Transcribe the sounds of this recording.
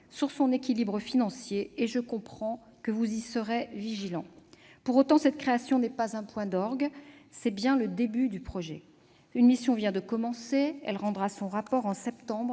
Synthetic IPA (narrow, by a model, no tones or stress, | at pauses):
syʁsɔ̃nekʲilibʁəfinɑ̃sjeːʒəkɔ̃pχɑ̃ | kəvuzisəʁeviʒilɑ̃puʁot̪ɑ̃sɛt̪kχeasjɔ̃nɛpazɛ̃pwɛ̃d̪ɔʁɡsɛbjɛ̃ləd̪ebyd̪ypχɔʒɛ̰ | ynmisjɔ̃vjɛ̃d̪əkɔmɑ̃seɛ̰lʁɑ̃d̪ʁasɔ̃ʁapɔʁɑ̃sɛpt̪ɑ̃bʁ